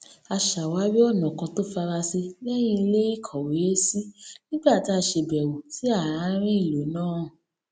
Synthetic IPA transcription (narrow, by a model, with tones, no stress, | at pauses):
a˧ʃa˨wa˨˦wi˦ɔ˦˨nã˨kã˧to˦fa˧ɾa˧se˧bɛ˦j̃ĩ˦˧le˦i˦˨kʰɔ˨we˨˦si˦nĩ˦ɡ͡ba˦˨ti˨˦a˧ʃe˧bɛ˨wo˨si˨˦a˦˨ɾã˨˧˦ɾ̃ĩ˦i˦˨lo˨˦nãː˦˨